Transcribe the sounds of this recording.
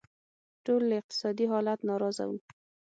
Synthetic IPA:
ʈolːɪq̚t̪ɪ̥sɑd̪iɦɑlat̪nɑɾɑza̰wum

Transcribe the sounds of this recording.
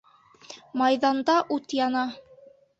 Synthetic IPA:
mɑjðɑnd̪ɑʔut̪jɑnɑ

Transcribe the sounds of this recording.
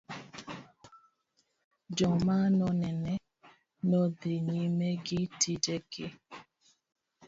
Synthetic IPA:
d͡ʒɔmanɔnɛnɛ | nɔdeɲimeɡitid͡ʒɛke

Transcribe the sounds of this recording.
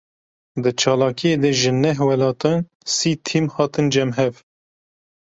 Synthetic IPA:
d̪ɨt͡ʃʰɑːlɑːkijeːd̪ɛʒɨnɛɦwɛlɑːt̪ɑn | siːt̪ʰimhɑːt̪ɨnd͡ʒɛmɦɛv

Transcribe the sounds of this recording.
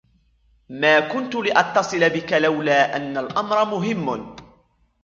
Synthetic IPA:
maːkʊnt̪ʊlɪʔɑt̪ːɑsˤɨlabɪkalawlaːʔanːalʔamɾˤɑmʊɦɪmːʊ

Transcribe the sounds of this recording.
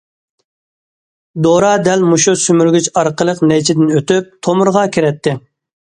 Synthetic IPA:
d̪oɾɑd̪ɛlmuʃusymyɾɡʲyt͡ʃɑɾqʰəlˠəqnɛjt͡ʃʰɪd̪ɪnøt̪yp̚t̪ʰomʊɾʁɑkʲʰiɾɛt̪ʰːɪ

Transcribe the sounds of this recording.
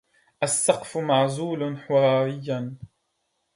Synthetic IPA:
ʔasːɑqfʊmaʕzuːlħʊɾˤɑːɾɪjːan

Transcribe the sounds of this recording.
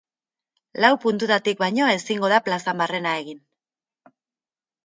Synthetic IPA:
lawpunt̪ut̪at̪ik̚bajɲo̞e̞siŋɡo̞ð̞aplasambare̞nae̞ɣin

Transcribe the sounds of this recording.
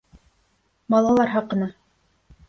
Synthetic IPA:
mɑlˠɑlˠɑɾɦɑqɤ̆nɑ

